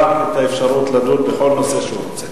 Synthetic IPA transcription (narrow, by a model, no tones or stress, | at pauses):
aet̪aefʃaʁut̪ladutbeχo̞lno̞se̞ʃeuɾot͡se